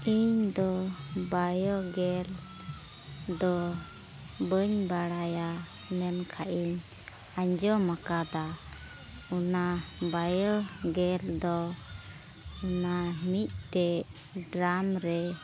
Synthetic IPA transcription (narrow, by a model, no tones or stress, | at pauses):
iɲd̪ɔbajɔɡɛl | d̪ɔ | bəɲbaɽaja | mɛmkʰaʔiɲ | aɲd͡ʒɔmakad̪a | unabajɔɡɛld̪ɔ | unamit̪̚ˀʈɛ | ɖɾamɾɛ